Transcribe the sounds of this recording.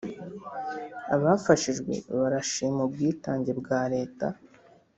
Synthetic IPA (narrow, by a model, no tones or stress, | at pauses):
a̰βaːfaʃiʒɡwe̞̰βaɾaʃiːmubɡiːtaːɲɟe̞bɡaːɾe̞ːta̰